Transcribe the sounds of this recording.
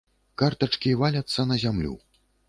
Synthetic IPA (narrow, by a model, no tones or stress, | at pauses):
kart̪ɐt͡ʂkʲivalʲɐt̪sːɐnɐzʲamlʲṵ